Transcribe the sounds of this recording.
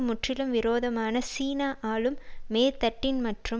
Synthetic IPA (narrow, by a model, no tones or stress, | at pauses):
mʊʈrɪlɯmʋɪɾoːðɐmaːnɐsiːnaːʔaːɭɯmːeːt̪ːɐʈːɪnmɐʈrɯ